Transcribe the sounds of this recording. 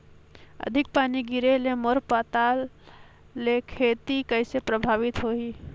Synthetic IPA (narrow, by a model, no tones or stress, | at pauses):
ə̰d̪ʱɪk̚paːniɡiɾelemoɾpaːt̪aːlː | ekʰeːt̪ikəɪsepɾəbʱaːʋɪt̪ɦoːi